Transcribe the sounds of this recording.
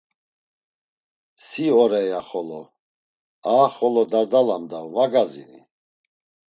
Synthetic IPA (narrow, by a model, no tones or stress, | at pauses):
siɔɾɛjaχɔlɔ | aːχɔlɔd̪aɾd̪alamd̪avaɡazḭnḭ